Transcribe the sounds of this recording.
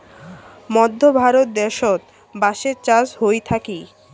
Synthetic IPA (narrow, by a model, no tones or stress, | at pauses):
mɔd̪ʱːobʱaɾot̪̚d̪ɛɾʃot̪ | baʃeɾt͡ɕasɦojt̪ʰaki